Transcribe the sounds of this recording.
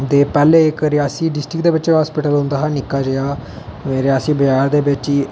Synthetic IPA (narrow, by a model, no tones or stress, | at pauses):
d̪eːpɛːleːɪkɾɪjaːsiːɖɪsʈɾɪkd̪eːbɪt͡ʃeɦaːspɪʈəlɦʊ̃nd̪aːɦaːnɪkːaːd͡ʒəjaː | ɾɪjaːsiːbəd͡ʒaːɾd̪eːbɪt͡ʃiː